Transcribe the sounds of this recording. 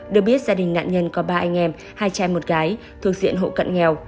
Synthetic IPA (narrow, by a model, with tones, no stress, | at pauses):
ɗɨ˨˩ək̚ɓi˦˥ət̚zaː˧ɗï˨˩ŋ̟na̰ː˧˨nɲə˧nkɔ˨˦ɓaː˧ʔa˧jŋ̟ʔɛ˧m | haː˧jt͡ɕaː˧˩jmo˨˩t̚ɣaː˨˦j | t̪ʰɨ˨˩ək̚zḭ˧˨ənɦo̰˧˨kə̰˧˨nŋɛ˨˩w